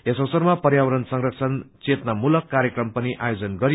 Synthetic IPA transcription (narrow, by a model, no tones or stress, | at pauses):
esʌwsʌrmapʌrjawʌɾʌnsʌŋrʌkt͡sʰʌnt͡set̪namulʌkːaɾjekrʌmpʌniʔajod͡zʌnɡʌɾi